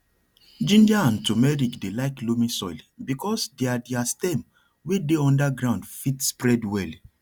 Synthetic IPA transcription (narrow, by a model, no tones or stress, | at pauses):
d͡ʒĩndiaãntumɛɹikdelaɪklumĩsɔjlbikʰɔsdeadiastɛ̃m | wedeɔ̃ndaɡɹãʊ̃ndfitspɹɛdwɛl